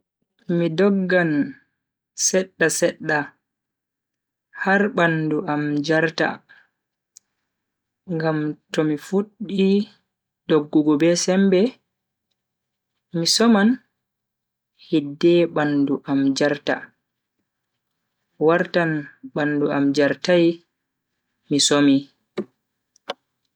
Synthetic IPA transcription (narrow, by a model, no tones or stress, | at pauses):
midɔɡːan | sɛɗːasɛɗːa | haɾɓanduʔamd͡ʒaɾta̰ | ŋɡamtɔmifuɗːi | dɔɡːɔɡɔbɛsɛmbɛ | misɔman | hidːɛɓanduʔamd͡ʒaɾta̰ | waɾtanɓanduamd͡ʒaɾtaj | misomi